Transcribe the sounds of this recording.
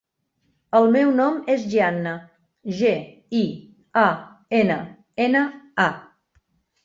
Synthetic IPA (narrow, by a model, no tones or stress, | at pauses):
əlˠmɛwnɔmezʒianːə | ʒe | i | a | enə | enəa